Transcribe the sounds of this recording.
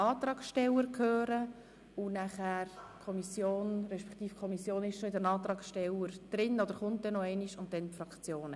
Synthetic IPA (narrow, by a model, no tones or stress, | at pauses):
ɑːt̪ɾɑːksʃtɛləɾkʰøːɾə | ʊnæχæːɾkʰɔmisjoːnɾɛʃpɛ̥kt̪iːfkʰɔmisjoːnɪʃʃɔɪdənɑːt̪ɾɑːksʃtɛləɾd̪̥ɾɪnɔd̪əɾχʊntdɛnːɔɛɪniʃʊnt̚dɛnfrɑkt͡sjoːnə